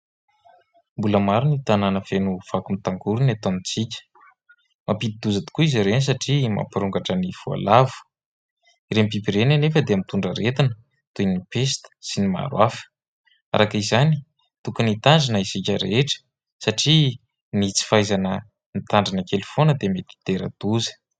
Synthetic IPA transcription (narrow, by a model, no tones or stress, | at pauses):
mbuləmaɾunit̪ananəfenuv̥akumit̪aŋɡuɾunat̪omit͡sikʲə̥ | mapid̪id̪uzat̪i̥kuizaɾens̬aʈ͡ʂima̰piɾuŋɡaʈ͡ʂəniv̥ua̰lavu̥ | iɾempipiɾenanefəd̪eamit̪uɳɖ͡ʐəɾet̪inə | t̪unipest̪ə̥sinima̰ɾwafə̥ | a̰ɾʔakizani | t̪ukunit̪aɳɖ͡ʐinəisikʲəɾeʈ͡ʂə̥ | saʈ͡ʂi | nit͡si̥fajzanə | nit̪aɳɖ͡ʐanəkelufonəd̪emet̪i̥t̪eɾə̰d̪̥uzə̥